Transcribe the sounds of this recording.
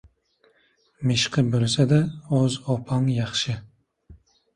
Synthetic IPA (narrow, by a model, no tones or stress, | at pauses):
mɪʃqʰɨbolsad̪aozopʰɑŋjɑχʃɪ